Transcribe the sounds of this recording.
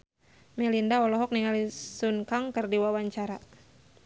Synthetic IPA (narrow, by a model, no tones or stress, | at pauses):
mɛlindaɔlɔɦɔk̚niŋalisunkaŋkərdiwawaɲt͡ʃaɾa